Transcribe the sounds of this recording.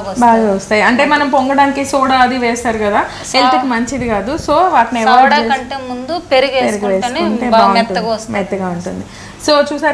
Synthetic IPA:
baːɡɐʋɐst̪aːjiɐɳʈe̞ːmɐnɐmpoŋɡɐɽaːnikeːsoːɽaɐd̪iʋeːst̪aːɾukɐd̪aː | elt̪ikimɐɲt͡ʃid̪ikaːd̪usoːʋaːʈniɛʋɐɾt͡ʃːeːɐɳʈemund̪upeɾuɡeːpeɾuɡiʋeːsuɐɳʈe̞ːbbaːuɳtunːɐdimɛt̪ːɐɡaːuɳʈund̪i | so̞ːt͡ʃuːsaːɾ

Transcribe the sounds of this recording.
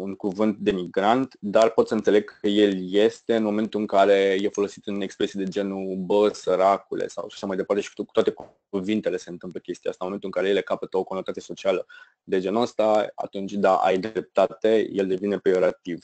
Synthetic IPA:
uŋkuvɨnt̪̚d̪e̞miɡɾant̪d̪arpo̞t̪səɨnt̪sele̞ɡ̚kəje̞lje̞st̪e̞ɨnmo̞me̞nt̪uɨŋkaɾe̞jefo̞lo̞sit̪ɨne̞kspɾe̞sied̪e̞d͡ʒe̞nubəsəɾakulḛsa̰wʃḁʃamajd̪epart̪e̞ʃikkut̪oat̪e̞k | uvint̪e̞le̞se̞ɨnt̪ɨmpləkʲe̞st̪ia̰st̪anmoment̪uɨŋkaɾe̞jele̞kapət̪əokonot̪at̪sijeso̞t͡ʃialə | d̪e̞d͡ʒe̞nəst̪aa̰t̪unt͡ʃʲd̪aʔa̰jd̪ɾe̞p̚t̪at̪e̞je̞ld̪e̞vine̞pɾio̞ɾat̪iv

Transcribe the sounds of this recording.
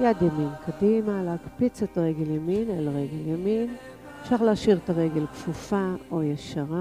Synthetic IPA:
jadjaminkʰadimalehakpit͡setaʁeɡeljaminelʁeɡeljamin | ʃaχlaaʃiʁetaʁeɡelkfufaojeʃaʁa

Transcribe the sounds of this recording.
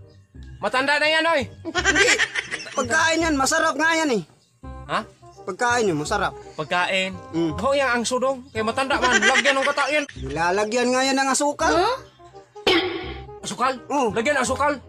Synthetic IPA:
mat̪andanajanoinɡipəɡ̚kainanmasaɾap̚ŋajani | apəɡ̚kainmasaɾap̚pəɡ̚kaʔinɦoijaŋaŋsudɔŋkajamat̪andaʔmanlaɡianoŋkat̪auʔianilalaɡianŋajanaŋasukal | asukalɔlaɡianaŋs̬ukal

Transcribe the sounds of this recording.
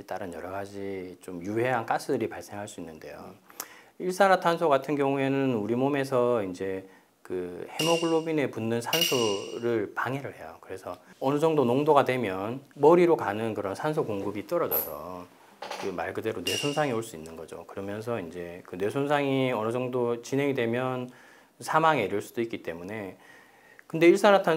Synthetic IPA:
it͈aɾɯnjʌɾʌɡad͡ʑit͡ɕomjuɦe̞ɦank͈as͈ʰɯdɯɾipaɭs͈e̞ŋɦaɭs͈uinːɯnde̞̰jo̰ | iɭs͈anatʰansʰoɡatʰɯnɡjʌŋue̞nɯnuɾimome̞sʰʌind͡ʑe̞ | kɯhe̞moɡɯɭːobine̞punːɯnsʰansʰoɾɯɭpaŋeɾɯɭhe̞jokɯɾe̞sʰʌʌnɯd͡ʑʌŋdonoŋdoɡadwe̞mjʌnmʌɾiɾokanɯnkɯɾʌnsʰansʰokoŋɡɯbit͈ʌɾʌd͡ʑʌ̰sʰʌ̰ | kɯma̰ɭɡɯde̞ɾone̞sʰonsʰaŋioɭs͈uinːɯnɡʌd͡ʑo̰kɯɾʌmjʌnsʰʌind͡ʑe̞kɯnwe̞sʰonsʰaŋiʌnɯd͡ʑʌŋdot͡ɕinɦe̞ŋidwe̞mjʌn | sʰamaŋeɾjuɭs͈u̥d̥oik͈it͈e̞mune̞ | kɯnde̞iɭs͈aɾatʰa

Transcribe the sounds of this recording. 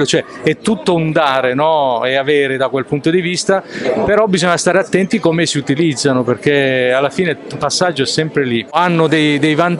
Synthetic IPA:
lot͡ʃoɛ | ɛt̪ːut̪ːound̪aːɾenɔeaveːɾed̪akwelpunt̪od̪ivist̪apeɾɔbizoɲːast̪aːɾeat̪ːɛnt̪ikomesiut̪ilid̪zːanoperk̟ealːafiːnepasːad͡ʒːoɛsːɛmpɾelianːod̪ejd̪ejvant̪

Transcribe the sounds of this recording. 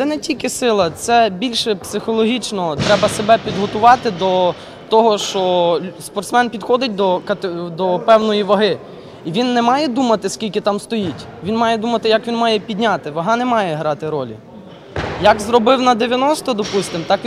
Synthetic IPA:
t̪sɛnɛtʲilʲkɪsɪlˠɐt̪sɛbʲilʲʃɛpsɪxɔlˠɔɦʲit͡ʃnɔt̪ɾɛbɐsebɛpʲid̪ɦɔt̪ʊʋɑt̪ɪd̪ɔ | t̪ɔɦɔʃt͡ʃɔspɔrt̪smɛnpʲid̪xɔd̪ɪt̚ʲd̪ɔkɐt̪d̪ɔpɛwnɔjiʋɐɦɪ | iʋʲinːɛmɑjɛd̪umɐt̪ɪskʲilʲkɪt̪ɑmst̪ɔjitʲ | ʋʲinmɑjɛd̪umɐt̪ɪjɐkʋʲinmɑjɛpʲid̪ʲnʲɑt̪ɪʋɐɦɑnɛmɑjɛɦɾɑt̪ɪɾɔlʲḭ | jɐkzɾɔbɪwnɐd̪eʋʲjɐnɔst̪ɔd̪ɔpust̪ɪmt̪ɑk

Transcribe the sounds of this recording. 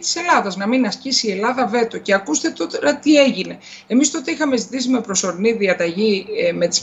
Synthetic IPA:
t̪i̥se̞lɐðɐznɐminɐscisiːe̞lɐðɐve̞t̪oce̞ɐkust̪e̞t̪ot̪ɾɐt̪ie̞ʝine̞ | emist̪oot̪eixɐme̞zit̪isime̞pɾo̞so̞ɾiniðiɐt̪ɐʝime̞t̪i̥s

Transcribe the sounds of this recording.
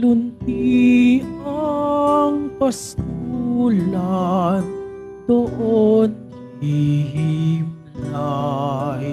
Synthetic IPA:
lʊnt̪i | a | ŋpɐskuːlan | d̪̥oʔon | hiɦimla | j

